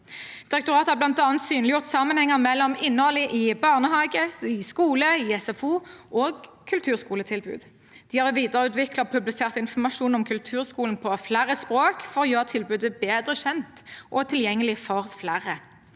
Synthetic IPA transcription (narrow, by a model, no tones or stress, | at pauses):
d̪̥ɪʁɛk̚t̪ʊʁɑːt̪əhɑːblɑnt̪ɑːnt̪syːnlɪjʊʁt̪sɑmənhɛŋːəʁmɛlːɔmɪnːəhɔlɪʔɪbɑʁnəɦɑːɡəɪskuːləɪɛsɛfuːʔoːɡ | kʰʉlt̪ʰʉːʁskuːlət̪ʰɪlbʉ̰ːd̪ | d̪̥ɪhɑʁʋiːd̪əʁəʉːt̪ʋɪklɑɔpʰʉblɪseːʁt̪ɪnfɔmɑʃuːnɔmkʰʉlt̪ʰʉːʁskuːln̩pʰɔflæːʁəspʁoːkfɔʁɔjøːʁət̪ʰɪlbʉːd̪əbeːd̪ʁəɕɛnt̪ʔɔt̪ʰɪljɛŋːəlɪfɔʁflæːʁə